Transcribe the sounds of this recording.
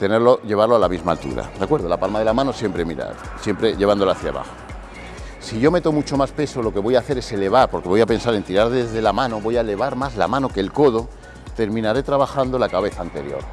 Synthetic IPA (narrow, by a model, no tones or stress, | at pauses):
t̪e̞neɾlo̞ʝe̞β̞aɾloalamizma̰lt̪ṵɾa̰d̪eakwe̞ɾð̞o̞lapalmaðelamãnosje̞mpɾe̞miɾa̰ | sje̞mpɾe̞ʝe̞βand̪olaːθja̰βa̰xo | siʝo̞me̞t̪o̞mut͡ʃo̞maspe̞so̞lo̞ke̞βo̞jaːθe̞ɾe̞se̞le̞β̞aɾpo̞ɾke̞βo̞jape̞nsaɾe̞nt̪iɾaɾðezðe̞lamãno̞βo̞jaele̞β̞aɾmazla̰mãno̞ke̞ːlkoðo̞ | t̪e̞ɾmĩnaɾe̞t̪ɾaβaxand̪o̞lakaβ̞e̞θaːnt̪e̞̰ɾjo̞̰ɾ